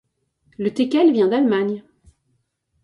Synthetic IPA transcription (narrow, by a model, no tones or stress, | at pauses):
lət̪ekʲɛlvjɛ̃d̪almaɲ